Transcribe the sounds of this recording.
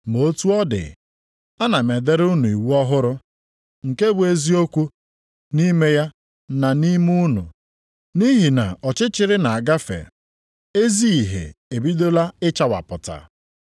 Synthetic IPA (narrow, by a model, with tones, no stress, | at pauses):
mo˦tu˦ɔ˦dɪ̰˨ | a˦na˨me˨de˦ɾʊ˦nu˨i˨wu˦ɔ˦ɦʊ˦ɾʊ˦ | ŋ̩˨ke˦bʊ˨e˦zi˦o˦kʷu˦ | ni˦me˦ja˦ | na˨ni˦mu˦nʊ̰˨ | ni˦ɦi˨na̰˨ɔ˨t͡ʃɪ˦t͡ʃɪ˨ɾɪ˦na˨a˨ɡa˦fḛ˨ | e˦zi˦i˨ɦḛ˨e˨bi˦do˦la˦ɪ˦t͡ʃa˨wa̰˨pʊ˨ta̰˨